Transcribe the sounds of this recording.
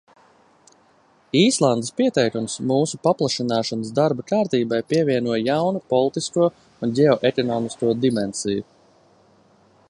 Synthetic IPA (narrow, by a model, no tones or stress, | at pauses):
iːslˠand̪espiɛt̪ɛjkunsmuːsupaplˠaʃinaːʃanəsd̪aɾbakaːɾt̪iːbajpiɛvʲiɛnuɔjjawnupɔlˠit̪iskuɔ | unɟɛɔʔekɔnɔːmiskuɔd̪imɛnsiju